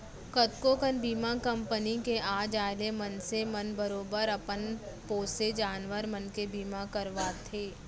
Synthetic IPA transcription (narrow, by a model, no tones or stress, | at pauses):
kət̪kokənbʱiːmãkɐ̃mpənikeʔaːd͡ʒaːlemənsemənbəɾoːbəɾəpən | poːsed͡ʒaːnʋəɾmənkebiːmãkəɾʋaːt̪ʰeː